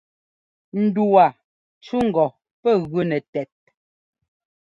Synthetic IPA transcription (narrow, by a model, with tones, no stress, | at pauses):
n̩˨du˨a˨ | t͡ʃu˦ŋ̩˨ɡɔ˨ | pɛ˦˨ɣʉ˦nɛ˨tɛ˨t̚